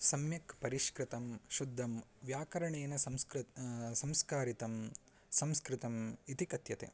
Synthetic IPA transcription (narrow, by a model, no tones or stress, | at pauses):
sɐmjɐkpɐɾiʃkɾɪt̪ɐmʃud̪ʱːɐmʋjaːkɐɾɐɳeːnɐsɐmskɾsɐmskaːɾit̪ɐm | sɐmskɾɪt̪ɐmit̪ikɐt̪jɐt̪ḛː